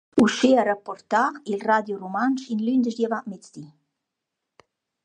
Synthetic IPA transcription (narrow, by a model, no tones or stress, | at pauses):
uʃeaɾapɔrt̪ailrad̪jurumanʃinlynd̪əʃd̪javaʔmet͡sd̪i